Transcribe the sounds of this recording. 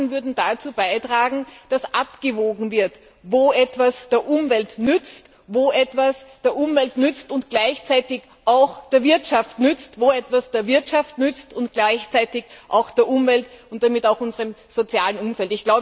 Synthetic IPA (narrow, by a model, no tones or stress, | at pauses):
nvʏɐdn̩d̥at͡suːbaɪtʁ̥aːɡŋ̩d̥asʔapɡ̥əvoːɡŋ̩vɪɐt | voːʔɛtv̥asd̥eːɐʔʊmvɛltnʏt͡st | voːʔɛtvasd̥eːɐʔʊmvɛltnʏt͡stʊntɡ̥laɪçt͡saɪtɪç | ʔaʊxd̥eːɐvɪɐtʃaftnʏt͡stvoːɛtv̥asd̥eːɐvɪɐtʃaftnʏt͡stʊnt̚ɡ̥laɪçt͡saɪtɪçʔa̰ʊxd̥eːɐʔʊmvɛltʊnt̚d̥amɪtaʊxʊnzəʁəmz̥ot͡sjaːlənʊmfɛltɪçɡ̥laʊb